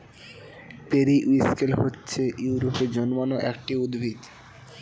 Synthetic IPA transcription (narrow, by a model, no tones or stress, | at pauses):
peɾiʔuiskelɦotːɕʰejuwɾoped͡ʑɔnmanoʔɛk̚ʈiud̪bʱit̪